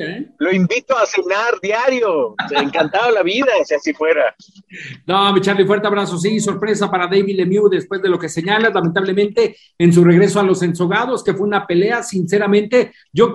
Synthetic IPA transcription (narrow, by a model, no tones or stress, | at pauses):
elo̞imbit̪oasinaɾðjaɾjoeŋkant̪aðolaβiðasasifwe̞ɾa | nomit͡ʃaɾlifwe̞ɾt̪eaβɾaso̞s̬is̬o̞ɾpɾe̞s̬apaɾaðejβiðemjuðe̞spwe̞zðe̞lo̞ke̞se̞ɲalazlamẽnt̪aβle̞mẽnt̪e̞ː | ns̬ure̞ɣɾe̞so̞alo̞se̞nso̞ɣað̞o̞ske̞fweunape̞le̞asinse̞ɾamẽnt̪e̞ | ɟ͡ʝo̞